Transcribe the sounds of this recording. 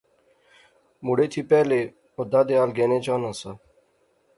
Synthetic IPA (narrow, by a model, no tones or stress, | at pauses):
mʊɽeːt̪ʰiːpɛːleː | od̪aːd̪eːaːlɡeːnẽːt͡ʃãːnãːsaː